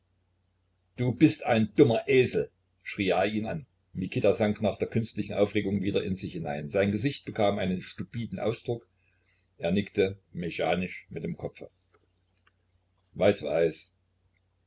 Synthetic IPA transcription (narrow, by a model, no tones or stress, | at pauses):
d̥uːbɪstʔaɪnd̥ʊmɐʔeːzl̩ | ʃʁ̥iːʔaːiːna̰n | mikʰɪtazaŋknaːχd̥eːɐkʰʏnstlɪçn̩ʔaʊfʁeːɡʊŋviːdɐʔɪnzɪçhɪna̰ɪnzaɪnɡəzɪçt̚b̥əkʰaːmʔaɪnənʃtupiːdn̩ʔa̰ʊsd̥ʁʊk | ʔeːɐnɪktəmeçaːnɪʃmɪt̚d̥eːmkʰɔpp͡fə̰ | vaɪsvaɪs